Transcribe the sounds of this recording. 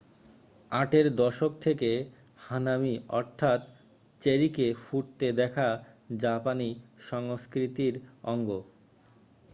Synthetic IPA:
ãʈeɾd̪ɔʃok̚t̪ʰeke | hanamiʔɔɾt̪ʰat̪ | t͡ɕeɾikefuʈ̚t̪ed̪ɛkʰa | d͡ʑapaniʃɔŋskɾit̪iɾɔŋɡo

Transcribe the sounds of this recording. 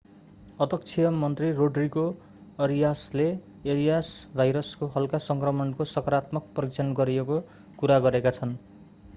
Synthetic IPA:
ʌd̪ʱʌk̚t͡sʰijʌmʌnt̪riroɖriko | ʌɾijasle | eɾijasbʱajɾʌskoɦʌlkasʌŋkrʌmʌnkosʌkʌɾat̪mʌk̚pʌrik̚t͡sʰʌnɡʌɾieko | kuɾaɡʌɾekat͡sʰʌn

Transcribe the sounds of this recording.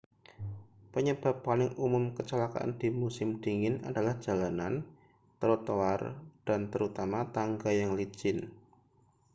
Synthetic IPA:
pəɲəb̥a̤pːalɪŋumʊmkət͡ʃəlaka̰ʔa̰nd̥imusɪmd̥iŋɪna̰dalahd͡ʒ̥a̤lanan | t̪əɾot̪oward̥ant̪əɾut̪amat̪aŋɡajaŋlid͡ʒɪn

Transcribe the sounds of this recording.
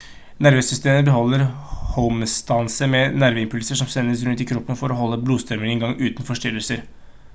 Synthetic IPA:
næɾʋeːsʏst̪eːməbəɦɔlːəɾhɔmst̪ɑnsəmɛnæɾʋəɪmpʰʉlsəʂɔmsɛnːəs̬ɾʉnt̪ɪkʰɾɔpːənfɔɾɔhɔlːəbluːst̪ɾœɾməŋɛŋɡɑŋːʔʉːt̪n̩fɔʂʈʏɾəlsəɾ

